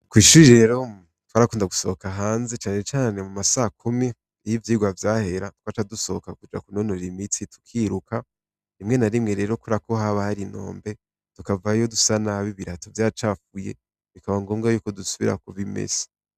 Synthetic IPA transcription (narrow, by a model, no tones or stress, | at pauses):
kwiːʃuiɾeɾo̞ | twaɾakuːndaɡu̥sookaɦaːnze̞t͡ʃaːne̞t͡ʃaːne̞mumasaːkumi | ijivjiːɡwavjaːhe̞ɾatwataduso̞okakud͡ʒa̰kuno̞noɾimit͡situ̥kʰiɾuka | imŋe̞naɾimŋe̞ɾe̞ːɾo̞kuɾako̞ɦaβahaɾino̞̰ːmbe̞ | tukavajodusanaβiβiɾatovjaːt͡ʃafuje̞̰ | βikaβaŋɡo̞ːŋɡajuːko̞dusuβḭɾa̰kuβimḛsi̥